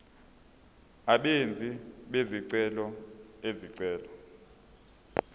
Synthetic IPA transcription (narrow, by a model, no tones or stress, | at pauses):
aɓend͡zʱiɓeziǀɛlɔeziǀɛːlɔ